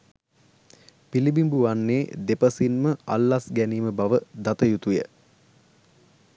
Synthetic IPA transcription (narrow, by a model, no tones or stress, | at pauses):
pilibimbuʋanːeːd̪epəsinməa̰lːasɡæniːməbaʋəd̪at̪əjut̪ujə̰